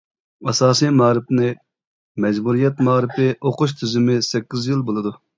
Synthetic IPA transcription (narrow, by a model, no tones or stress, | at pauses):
ɑsɑːsijmɑɾɪpnɪ | mɛd͡ʒbuɾijɛt̪mɑːɾɪpʰɪʔoqʊʃ̬t̪ʰyzɪmɪsɛkʲːizjilˠbolˠɨd̪u